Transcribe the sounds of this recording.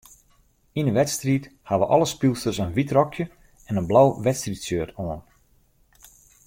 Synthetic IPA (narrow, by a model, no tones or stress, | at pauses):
inəʋɛtstrithaʋəʔɔlˠəspilˠstərsənʋitrɔkʰjə | ɛnənblawʋɛtstritsjøətʰoən